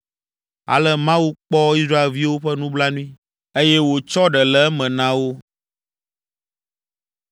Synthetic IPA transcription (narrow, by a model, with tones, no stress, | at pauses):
a̰˨lɛ˦mã˦wu˦k͡pɔ˦i˦sɾa˦e˨lvi˦wo˦ɸɛ˦nũ˦bla˦nũ˦ĩ˦ | e˦jɛ˦wo˨t͡ʃɔ˦ɖɛ˨lɛ˦mɛ̃˨nã˦wo˦